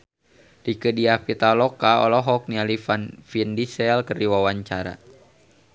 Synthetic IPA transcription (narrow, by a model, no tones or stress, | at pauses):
dikədiapit̪alɔkaɔ̰lɔɦɔk̚nialifanfindisɛlkərdiwawaɲt͡ʃaɾa̰